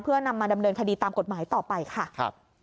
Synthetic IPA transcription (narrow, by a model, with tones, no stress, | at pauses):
pʰɯ˥˩ɐna˧mːaː˧da˧mnɤː˧nkʰa˧diː˧t̪aː˧mko˨˩t̪̚maː˩˦jt̪ɔː˨˩pa˧jkʰa˥˩˧p̚